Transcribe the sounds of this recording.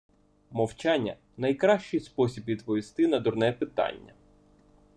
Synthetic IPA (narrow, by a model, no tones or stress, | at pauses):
mɔwt͡ʃanʲːɐ | nɐjkɾɑʃt͡ʃɪjspɔsʲibʋʲid̪pɔʋʲist̪ɪnɐd̪ʊrnɛpɪt̪ɑ̰nʲːɐ̰